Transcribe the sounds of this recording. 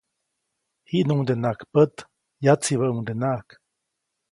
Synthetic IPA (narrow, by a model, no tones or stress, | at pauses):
hiʔnuŋd̪enakpət̪ | jat͡siβəʔuŋd̪enaʔk